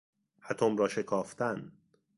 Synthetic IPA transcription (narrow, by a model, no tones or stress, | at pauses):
hæt̪ʰomɾɒːʃe̞kʰɒːft̪ʰæn